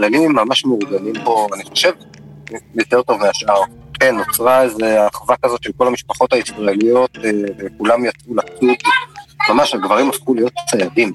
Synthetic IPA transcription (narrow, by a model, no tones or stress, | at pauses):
lanimːamaʃmeuʁɡanimpo̞aniχo̞ʃe̞v | jo̞t̪e̞ʁt̪o̞vmeaʃaʁke̞nːot͡sʁaeze̞aːχvakazo̞t̪ʃelko̞lhamiʃpaχo̞t̪haisbajalijo̞t̪ːvekulamjat͡svulat͡sukmamaʃhaɡvaʁimafχulijo̞t̪t͡sajavim